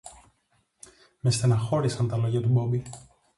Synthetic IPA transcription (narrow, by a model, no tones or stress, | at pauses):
mest̪enɐxo̞ɾisɐnt̪ɐlo̞ʝɐt̪ubo̞mbi